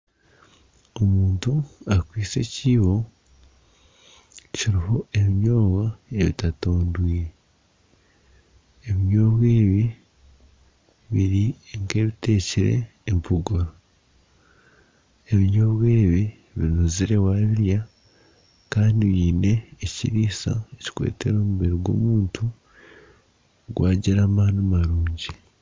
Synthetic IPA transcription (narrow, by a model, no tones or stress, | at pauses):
omuːntuakwiːt͡se̞ciːβo̞ | ciɾiho̞ʔe̞βiɲo̞ːɡwae̞βitatoːndwiːɾe | βiɲo̞ːβwe̞ːβi | βiɾiŋke̞ːβite̞ːciɾe̞̰ː | mpʰuɡoɾo | e̞βiɲoːβwe̞ːβi | βiɾnuziɾe̞waːβiɾja | kaːndiβiːne̞ːcḭɾiːsa̰eci̥kwḛːte̞ɾo̞ːmuβeɾiɡwo̞̰ːmuːntʰu | ɡwaːɟiɾaːmaːnumaɾuːɲɟi